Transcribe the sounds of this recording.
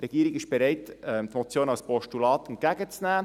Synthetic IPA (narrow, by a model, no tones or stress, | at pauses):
rɛɡiːɾɪɡɪʃb̥ɛɾɛɪtɛmt̪mot͡sjoːnɑlspɔʃtulɑːt̪ɛnkæɡət͡snæː